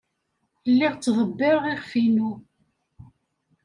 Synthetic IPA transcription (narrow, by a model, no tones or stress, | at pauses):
lːiʁt͡sːðˤəbːɪɾʁiχfinu